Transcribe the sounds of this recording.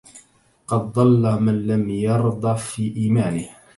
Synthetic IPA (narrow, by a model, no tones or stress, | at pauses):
qɑd̪ːˤɑlːamanlamjɑɾˤd̪ˤɑfiːʔiːmaːnɪh